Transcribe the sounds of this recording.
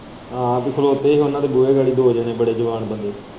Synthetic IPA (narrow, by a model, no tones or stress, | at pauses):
ɦãːpiːkʰʊloːt̪eːiːɦoːnãːt̪eːbueːɡaːɽiːd̪oːd͡ʒaːneːbəɽeːd͡ʒəʋaːnbənd̪eː